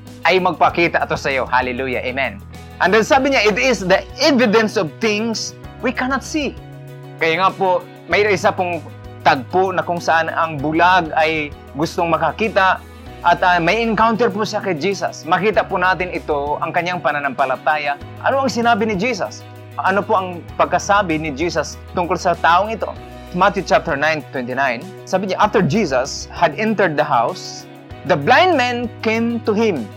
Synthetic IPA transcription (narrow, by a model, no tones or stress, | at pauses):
ʔɐjmɐɡ̚pɐkiːt̪aʔɐt̪osɐjohalɛluja̰ʔemɛn | ʔɐnd̪ɛnsaːbɪɲaʔɪt̪ɪsd̪ɐʔɛvɪd̪ɛnsɔvθɪŋs | wikanɐt̪si | kɐjaŋapoʔ | mɐjʔɪsapʊŋ | t̪ɐɡ̚ponɐkʊŋsɐʔanɐŋbʊlaɡɐj | ɡʊst̪oŋmɐkakiːt̪aʔ | ʔɐt̪ɐmɐɪŋkawnt̪ɛɹp̬ʊsakɐjd͡ʒiːsɐ̰smɐkiːt̪aʔpʊnaːt̪ɪnɪt̪oʔɐŋkɐɲːjaŋpɐnanɐŋpɐlat̪aːja | ʔɐ̰noʔɐŋsɪnaːbɪnɪd͡ʒiːs̬a̰s | ʔɐnopoʔɐŋpɐɡ̚kɐsaːbɪnɪd͡ʒiːsɐs | t̪ʊŋkolsɐt̪aːʔoŋɪt̪o̰ | mat̪jut͡ʃap̚t̪ɛɹnajnt̪wɛnt̪ɪnajn | saːbɪɲaʔaft̪ɛɹd͡ʒiːs̬ashad̪ɛnt̪ɛɹd̪̚d̪ɐɦaws | d̪ɐblajnd̪̚mɛnkemt̪ʊhɪ̃m